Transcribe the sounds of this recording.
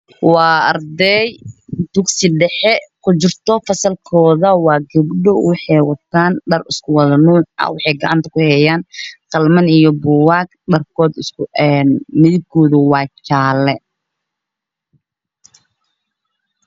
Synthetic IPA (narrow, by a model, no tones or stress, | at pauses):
wɑːɐrd̪ɛjd̪̥ʊɡsɪɖɛħɛkʰʊt͡ʃɪrt̪ʰɔfɐsɐlkʰɔːðɐwɑːɡɐbɖɔwɑħɑjwɑt̪ʰaːnɖɐrɪskʰʊwɐðɐnuːʕɑ̰wɑħɑjɡɐʕɑ̰nt̪ʰɐ̥kʰʊhɛjaːnqɑlmɐnijɔbʊwɑːɡ | ɖɐrkʰɔːd̪ɪsɛnmɪðɪb̚kʰɔːðʊwɑːt͡ʃaːlɛ